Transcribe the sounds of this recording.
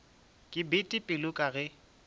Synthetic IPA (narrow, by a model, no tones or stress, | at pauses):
kʼɪbɪtʼɪpʼɪlʊkʼaɣɛ